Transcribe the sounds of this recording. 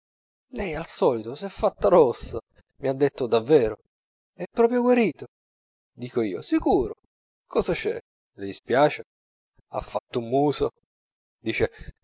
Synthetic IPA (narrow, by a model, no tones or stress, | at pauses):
lɛjalsɔːlit̪osɛfːat̪ːaɾɔsːa | miad̪ːet̪ːod̪avːɛːɾo | ɛpːɾɔːp̬ɾjoɡwaɾiːt̪o | d̪iːkoiːosikuːɾo | kɔːzat͡ʃɛ̰ | led̪ispjaːt͡ʃe | a̰fːat̪ːumːuːzo | d̪iːt͡ʃe